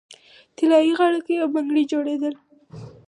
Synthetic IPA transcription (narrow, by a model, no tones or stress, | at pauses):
t̪ɪlɑjiɣaɽəkejawbaŋɡɽid͡ʒoɽed̪əl